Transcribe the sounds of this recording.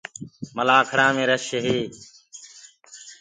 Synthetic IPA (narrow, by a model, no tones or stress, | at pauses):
məlaːkʰəɽãːmẽːɾəʃɦeː